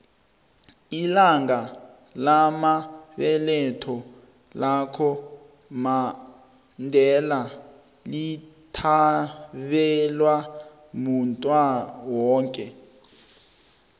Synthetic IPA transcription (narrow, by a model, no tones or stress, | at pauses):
ilaŋɡa | lamaβɛlɛtʰɔ | lakʰɔ | ma | ndʱɛla | litʰa | βɛlwa | muntʼwawɔːŋkʼɛ